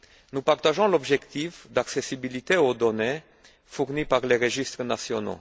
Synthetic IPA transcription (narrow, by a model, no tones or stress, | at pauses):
nupaʁt̪aʒɔ̃lɔbʒɛkt̪ifd̪aksesibilit̪eod̪ɔne | fuʁnipaʁleʁəʒist̪χənasjɔno̰